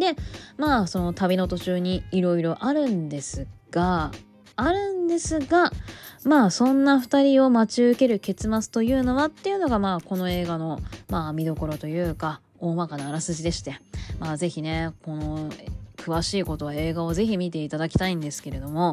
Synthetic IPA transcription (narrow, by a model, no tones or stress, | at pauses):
d̪e̞maːso̞not̪abʲino̞t̪o̞t͡ɕɨːɲ̟iːɾo̞iɾo̞ʔaɾɯ̟̃nd̪e̞sɨɡ̥aː | ɾɯ̟̃nd̪e̞sɨɡamaːsõ̞nːaɸɯ̟̥t̪aɾʲio̞mat͡ɕiɯ̟ke̞ɾɯ̟ke̞t͡sɨmat͡sɨ̥t̪o̞jɯ̟ːno̞βat̪ːe̞jɯ̟no̞ɡamaːko̞no̞e̞ːɡano̞maːmʲid̪o̞ko̞ɾo̞t̪o̞jɯ̟ːka | oːmakanaːɾasɨʑid̪e̞ɕi̥t̪e̞maːze̞çine̞ko̞no̞kʰɯ̟βaɕiːko̞t̪o̞βae̞ːɡao̞ze̞çimʲit̪e̞it̪ad̪akʲi̥t̪aĩnd̪e̞sɨ̥ke̞ɾe̞d̪o̞mo̞